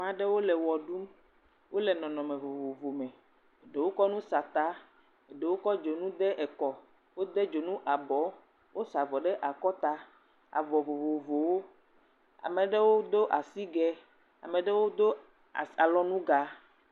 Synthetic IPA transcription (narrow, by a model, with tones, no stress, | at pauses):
mã˨ɖɛ˦wo˦lɛ˨wɔ˨ɖu˦m | wʔo˦lɛ˨nɔ̃˨nɔ̃˨mɛ̃˨vo˨vo˨vo˨mɛ̃˨ | ɖe˨wo˦kɔ˦nũ˦sa˨t̪a˨˦ | e˨ɖe˨wo˦kɔ˦d͡ʒo˨nũ˦d̪ɛ˦ʔɛ˨kɔ˨ | wo˦d̪ɛ˦d͡ʒo˨nũ˦ʔa˨bɔ˨˦ | wʔo˦sa˨vɔ˨ɖɛ˦ʔa˨kɔ˦t̪a˦ | a̰˨vɔ˨vo˨vo˨vo˨wo˦ | a̰˨mɛ̃˨ɖɛ˦wo˦d̪o˦ʔa˨si˦ɡɛ˨ | a̰˨mɛ̃˨ɖɛ˦wo˦d̪o˦ | a̰˨a˨lɔ˦nũ˦ɡa˨